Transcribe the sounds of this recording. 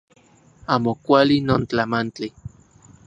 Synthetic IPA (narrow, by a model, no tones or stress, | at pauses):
aːmokʷalinoːnt͡ɬamant͡ɬi